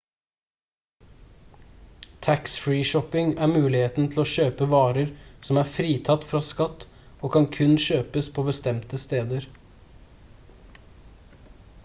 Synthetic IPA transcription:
t̪ʰæksfɹiːʃɔpɪŋæːmʉːlɪheːt̪n̩t̪ʰl̩oːʃøːpəʋɑːɾəɾsɔmæːfɾiːt̪ʰɑt̪ːfɾɑːskɑt̪ː | oːkʰɑŋkʰʉnʃøːpəspʰoːbəst̪ɛmt̪əst̪eːd̪əɾ

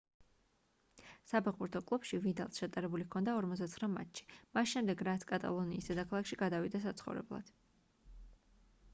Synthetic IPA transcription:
sapʰɛχbuɾt̪ʰɔkʼlˠupʃivid̪alˠsʃat̪ʼaɾɛbulikʰɔnd̪aɔɾmɔt̪zd̪at̪ʰχɾama̰t̪ʃi̥masʃɛmd̪ɛɡɾat̪sʰkʼat̪ʼa̰lˠɔniːsd̪ɛd̪akʰalˠakʃiɡad̪avid̪as̬at̪sʰχɔ̰vɾɛ̰blˠa̰d̪̥

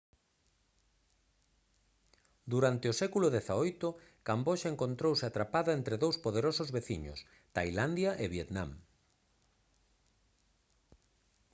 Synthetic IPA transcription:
d̪uɾant̪eosɛkulʊðɛθaojt̪ʊkamboʃaeŋkont̪ɾowsɪat̪ɾapaðɐent̪ɾeðowspoðeɾosʊzβeθiɲʊ̰s | t̪ajland̪jaʔɪβjet̪nã̰m

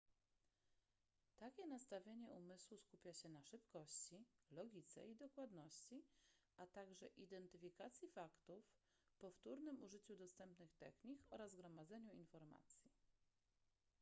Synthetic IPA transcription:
t̪akʲɛnast̪avʲjeɲɛumɘswuskupʲjaɕɛnaʂɘpkɔɕt͡ɕilɔɡʲit̪sɛ̰id̪ɔkwad̪nɔɕt͡ɕiʔat̪aɡʐɛʔid̪ɛnt̪ɘfʲikat̪sʲjifakt̪uf | pɔft̪uɾnɘmuʐɘt͡ɕud̪ɔst̪ɛmpnɘxt̪ɛxɲikɔɾazɡɾɔmad̪zɛɲuinfɔɾma̰t̪sʲji

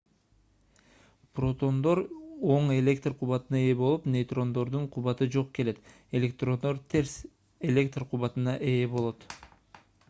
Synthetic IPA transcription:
pro̞t̪o̞nd̪o̞ɾo̞ɴe̞lʲe̞k̚t̪rqʰuβɑt̪ɯnɑeːbo̞lˠupnejt̪ro̞nd̪o̞ɾd̪uɴqʰuβɑt̪ɯd͡ʒo̞qke̞le̞t̪ | e̞lʲe̞k̚t̪ro̞nd̪o̞ɾt̪ʰe̞ɾs | elʲe̞kt̪rqʰuβɑt̪ɯnɑʔeːbo̞lˠo̞t̪

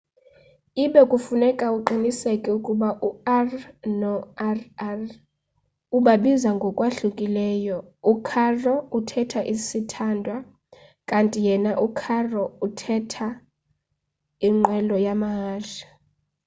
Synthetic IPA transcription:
iɓɛkʼufunɛkʼauǃinisɛkʼɛukʼuɓaʔuarnɔarar | uɓaɓizaŋɡʱɔkʼwaɬukʼilɛːjɔukʰarɔutʰɛtʰaʔisitʰandʱwa | kʼantʼijɛnaʔukʰarɔutʰɛtʰa | iŋ͡ǃʱwɛlɔjamaɦaːɬḁ

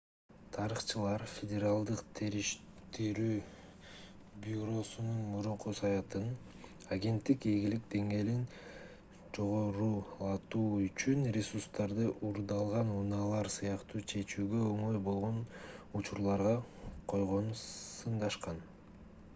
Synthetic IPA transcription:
t̪ʰɑɾɯχt͡ʃɯlˠɑɾfʲedʲeɾalˠd̪ɯqt̪ʰeɾiʃ | t̪iɾyː | bʲuɾo̞sununmuɾuɴqusɑjɑt̪ɯn | aɡʲe̞nt̪ːikeɡʲilik̚d̪e̞ŋɡe̞ːlin | d͡ʒo̞ʁo̞ɾuːlˠɑt̪uːyt͡ʃynrʲesuɾst̪ɑɾd̪ɯʔuɾd̪ɑlˠʁɑnunɑlˠɑɾsɯjɑqt̪uːt͡ʃʰe̞t͡ʃyːɡøøŋo̞jbo̞lˠʁo̞nut͡ʃuɾlˠɑɾʁɑqʰo̞jʁo̞nusɯɴd̪ɑʃqɑn

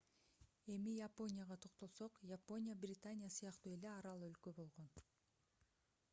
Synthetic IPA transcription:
e̞mijapo̞nʲɪjaʁɑt̪ʰo̞qt̪o̞lˠso̞qjapo̞nʲɪjabrʲɪt̪anʲɪjasɯjɑqt̪uːe̞le̞ɑɾɑlˠølkø̞bo̞lˠʁo̞n

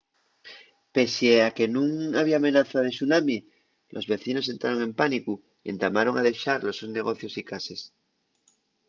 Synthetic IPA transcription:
pe̞seake̞nũŋaβiamẽ̞naθað̞e̞sunamje | lʔo̞zβe̞θino̞s̬e̞nt̪ɾaɾo̞ŋe̞mpaniku | iḛnd̪amaɾo̞ŋaðe̞ʃaɾloesozne̞ɣ̞o̞θjo̞sikase̞s

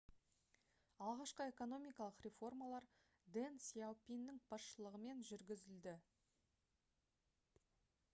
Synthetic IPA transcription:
ɑlˠʁɑʃqəe̞ko̞no̞mijkɑlˠəqrʲe̞fo̞rmɑlˠɑɾ | d̪ensiawpʲinːɪŋbɑsʃəlˠəʁəme̞nʒʏɾɡʲɪzɪld̪ɪ

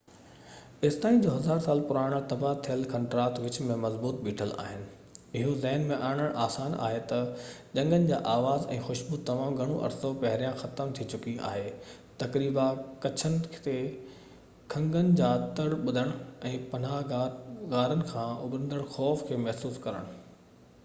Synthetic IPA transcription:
ɪst̪aːĩnd͡ʑoːɦɐzaːɾsaːlpʊɾaːɽ̃t̪ɐbat̪ʰijəlkɐ̃ɳʈɾaːt̪ʋɪt͡ɕmẽmɐzbuːt̪̚ɓiːʈʰəla̰ːɦɪnɪ̆ | ɪɦozɛɦnmẽʔaːɽ̃əɽʔaːsaːna̰ːɦet̪ɐd͡ʑɐ̃ŋɡənɪ̆d͡ʑaːʔaːʋaːzɛ̃ːxʊʃbut̪ɐmaːmɡʱɐɽ̃oʔɐ̰ɾsopɐɦɪɾijãxɐt̪əmt̪ʰit͡ɕʊkia̰ːɦeː | t̪ɐkɾiːbakɐt͡ɕʰənɪ̆kʰɪ̥t̪e | kʰɐ̃ŋɡənɪ̆d͡ʑaːt̪ɐɽɓʊd̪ʱəɽ̃ɛ̃ːpɐn̤aːɦɡaːɾənɪ̆kʰãːʊbɾə̃nd̪əɽ̃xɔːfkʰeːmɐɦsuːskɐɾə̰ɽ̃ʊ

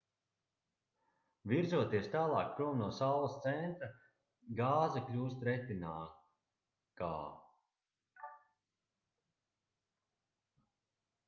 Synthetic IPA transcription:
viɾzuɔt̪iɛst̪aːlˠɑ̰ːk̚pɾuɔmnuɔsawlˠɐst̪sɛnt̪ɾa | ɡaːzaklʲuːst̪ɾɛt̪inaː | ka̰ː

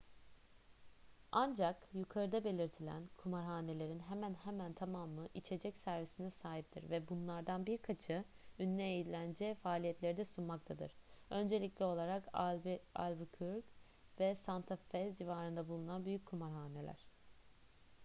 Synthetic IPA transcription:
and͡ʒakjukʰaɾɯd̪abe̞lʲiɾt̪ʰilʲæ̰nkʰumaɾɦaːne̞lʲe̞ɾinɦemænhemænt̪ʰamamɯʔit͡ʃʰe̞d͡ʒɛcsæɾvisinɛsaːɦip̚t̪ʰḭɾvɛbunlˠaɾd̪anbiɾkʰat͡ʃʰɯynːʲɛːjid̪lʲænd͡ʒɛfaːlʲijɛt̪lʲe̞ɾid̪ɛsunmak̚t̪ʰad̪ɯ̰ɾ̥ø̞nd͡ʒe̞lʲicʲlʲɛo̞lˠaɾakava̰lʲvkʰyɾɡ | vɛsant̪ʰafɛzd͡ʒivaːɾɯnd̪abulˠunanbyjyc̚kʰumaɾɦaːne̞lʲæ̰ɾ̥

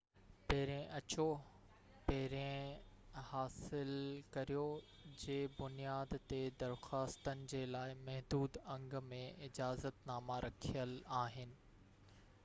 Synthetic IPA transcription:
pɐɦɪɾẽʔɐt͡ɕo | pɐɦɪɾẽ | haːsɪlkɐɾijo | d͡ʑeːbʊnijaːd̪t̪ed̪ɐɾxaːst̪ənɪ̆d͡ʑeːlaːɪmɛɦd̪uːd̪ɐ̃ŋɡmẽɪd͡ʑaːzət̪naːmaɾɐkʰijəlaːɦɪnɪ̆

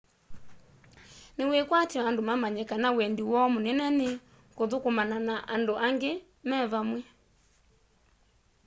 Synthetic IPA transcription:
newekwatɔandomamaɲɛkanawɛndiwɔmonɛnɛne | koðokomananaʔandoʔaŋɡe | mɛβamwɛ

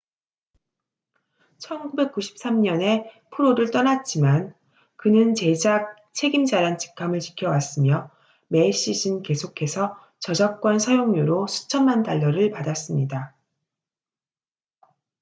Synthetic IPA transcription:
t͡ɕʰʌnkube̞k̚k͈uɕʰi̥p̚s͈amɲʌne̞ | pʰuɾoɾɯɭt͈ʌnat̚t͡ɕ͈iman | kɯnɯnt͡ɕe̞d͡ʑak̚ | t͡ɕʰe̞ɡimd͡ʑaɾant͡ɕi̥kʰamɯɭt͡ɕi̥kʰjʌwas͈ɯmjʌ | me̞ɕ͈iɕʰinke̞sʰokʰe̞sʰʌ | t͡ɕʌd͡ʑak̚k͈wʌnsʰʌjoŋɲuɾosʰu̥t͡ɕʰʌnmantaʎːʌɾɯɭpadas͈ɯmɲida

